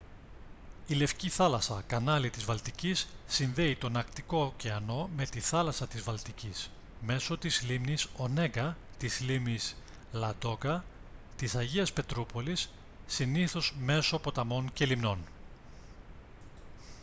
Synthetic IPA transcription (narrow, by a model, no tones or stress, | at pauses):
ile̞fciθɐlɐsɐkɐnɐlit̪izvɐlt̪icisːinðe̞it̪o̞nɐkt̪iko̞ceɐno̞me̞t̪iθɐlɐsɐt̪izvɐlt̪icis | me̞so̞t̪izlimniso̞ne̞ɡɐ | t̪izlimnis | lɐd̪o̞kɐ | t̪isɐʝiɐspe̞t̪ɾupo̞lisː | iniθo̞zme̞so̞po̞t̪ɐmo̞nce̞limno̞n